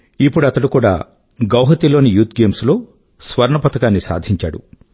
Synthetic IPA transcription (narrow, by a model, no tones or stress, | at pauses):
ipːuɽuɐt̪ɐɽukuːɽa̰ː | ɡɐwɦɐt̪iloːnijuːt̪ɡeːmslo̞ː | sʋɐɾɳɐpɐt̪ɐkaːnːisa̰ːd̪ʱiɲt͡ʃa̰ːɽṵ